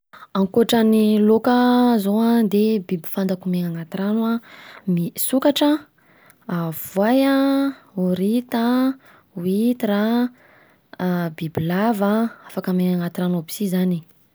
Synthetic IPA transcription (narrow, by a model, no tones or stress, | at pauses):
aŋkoʈ͡ʂanilokəzoad̪ebibi̥fand̪akumeŋaŋat̪iɾanwamisukaʈ͡ʂə | av̥wajaoɾit̪a | wit̪iɾa | bibilavaafakəmeŋaŋat̪iɾanabi̥sizani